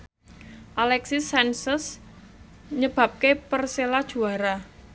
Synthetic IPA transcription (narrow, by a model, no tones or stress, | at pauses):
ʔalɛksisɛnsəs | ɲəb̥a̤p̚kepərselad̥ʒ̥ṳaɾa